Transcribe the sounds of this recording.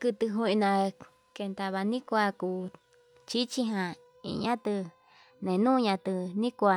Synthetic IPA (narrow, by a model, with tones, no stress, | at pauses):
kɨ˧t̪ɨ˧ɦõ˧ĩ˧nã˧ | ke˧nt̪a˧βa˧nĩ˦kʷa˧ku˧ | t͡ʃi˦t͡ʃi˧˦ɦã˧ | ḭ˧˨ɲã˦t̪ɨ˧ | nẽ˨nũː˦˧ɲã˧t̪ɨ˧nĩ˦kʷa˧